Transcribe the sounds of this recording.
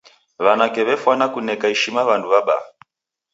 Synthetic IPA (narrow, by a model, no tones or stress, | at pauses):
βanakɛβɛfwanakunɛkaiʃimaβanduβaɓa̰